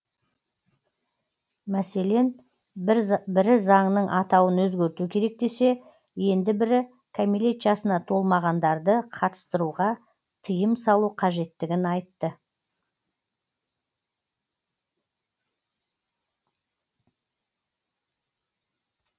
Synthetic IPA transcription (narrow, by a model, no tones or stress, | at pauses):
mæse̞le̞n | bɪɾɪzɑŋnəɴʔɑt̪ɑwənwɵzɡʲe̞ɾt̪ukʲʰe̞ɾe̞k̚d̪e̞se̞ | je̞nd̪ɪbɪɾɪ | kʰamilet̪ʒɑsənɑt̪ʰo̞lˠmɑʁɑnd̪ɑɾd̪əqʰɑt̪ə̥st̪əɾuʁɑ | t̪ʰəjəmsɑlˠuqʰɑʒe̞t̪ːɪɡʲɪnɑjt̪ːə